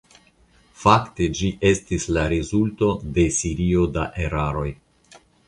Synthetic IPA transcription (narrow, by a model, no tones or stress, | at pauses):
fakte̞d͡ʒiʔe̞stislaɾezulto̞de̞siɾio̞daʔe̞ɾaɾo̞j